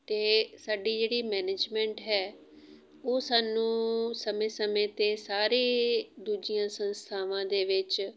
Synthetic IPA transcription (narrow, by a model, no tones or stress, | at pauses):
t̪eːsaːɖiːd͡ʒeːɽiːmɛːneːd͡ʒmɛ̃ːɳʈɦɛː | oːsaːnũːsəmẽːsəmẽːt̪eːsaːɾeːd̪uːd͡ʒijãːsənst̪ʰaːʋãːd̪eːʋɪt͡ʃ